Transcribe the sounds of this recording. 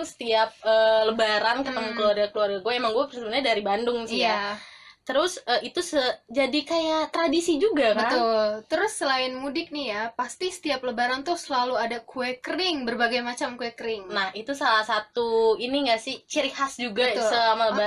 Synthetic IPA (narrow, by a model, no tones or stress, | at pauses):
ŋsə̥t̪iap̚əːləbaɾankət̪əmakəluwarɡakəluarɡaɡuɛemaŋɡuapərsəmənɲadaɾibandʊŋsijat̪əɾʊsəit̪usəd͡ʒadikajat̪ɾadisid͡ʒuɡabət̪ʊlt̪əɾʊsːəlaɪnmudɪk̚nijapast̪isə̥t̪iap̚ləbaɾant̪ʊsəlaluadakuɛkəɾɪŋbərbaɡajmat͡ʃamkuɛkɾɪŋnahit̪usalahsat̪uiniŋɡasɪht͡ʃəɾihasd͡ʒuɡasəamaləba